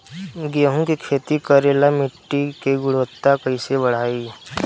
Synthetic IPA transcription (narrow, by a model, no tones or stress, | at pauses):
ɡeɦũkikʰeːt̪ikəɾeːlamɪʈːikeɡʊɽʋət̪ːakɐisebəɽ̤aːi